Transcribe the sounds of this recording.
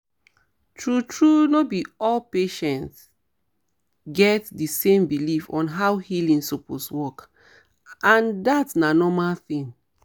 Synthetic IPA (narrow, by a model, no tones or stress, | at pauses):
tʰɹutɹunobiɔlpeʃɛ̃nt | ɡɛtdisẽmbilifɔ̰̃nɦawhilĩŋsɔposwɔk | ãndatsnanɔmalθĩn